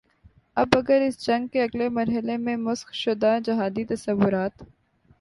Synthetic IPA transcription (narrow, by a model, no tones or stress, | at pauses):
ɐbɐɡəɾɪsd͡ʒɐ̃ŋɡ̚keɐɡlemɐɾɦɪlemẽmʊsxʃʊd̪ad͡ʒɐɦaːd̪it̪ɐsəʋːʊɾaːt̪